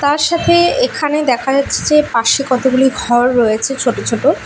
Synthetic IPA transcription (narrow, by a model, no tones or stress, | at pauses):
t̪aɾʃat̪ʰeekʰaned̪ɛkʰad͡ʑatːʰe̥d͡ʑepaʃekɔt̪ʰoɡuliɡʱɔɾːojet͡ɕʰet͡ɕʰoʈot͡ɕʰoʈo